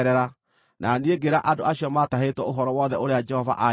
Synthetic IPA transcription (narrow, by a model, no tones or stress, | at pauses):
ɾɛɾa | nʔanieɡeɾaʔadoaɕiɔmataɦetwɛoɦɔɾɔwɔðɛoɾead͡ʒɛhɔva̰ʔa